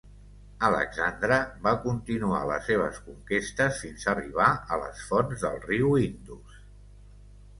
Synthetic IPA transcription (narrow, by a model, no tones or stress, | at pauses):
ələ̰ɡzand̪ɾəβakunt̪inua̰lə̰seβ̞ə̰skuŋkest̪əsfinzəriβaələ̰sfɔnzðə̰lˠriwind̪us